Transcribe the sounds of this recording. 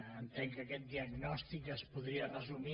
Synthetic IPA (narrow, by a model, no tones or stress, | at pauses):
ənt̪ɛŋkɐkɛt̪̚d̪iəɡnɔst̪ikəspuðɾiərəzumi